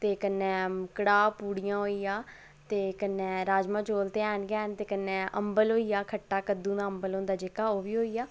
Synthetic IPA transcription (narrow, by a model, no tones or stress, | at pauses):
t̪eːkənːɛːmkɽaːpuːɽijãːɦoːiːjaː | t̪eːkənːɛ̃ːɾaːd͡ʒmãːd͡ʒoːlt̪eːɛːnɡɛːnt̪eːkənːɛ̃ːʔə̰mbəlɦoːijaːkʰəʈːaːkəd̪ũːnãːəmbəlõːnd̪aːd͡ʒeːkaːoːʋiːɦoːiːjaː